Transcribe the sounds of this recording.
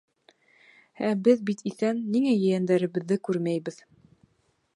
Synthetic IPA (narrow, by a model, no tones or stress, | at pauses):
æbɘðbit̪iθænːiŋæjɘ̆jænd̪æɾɘ̆βɘ̆ðːɘkʉɾmæjbɘð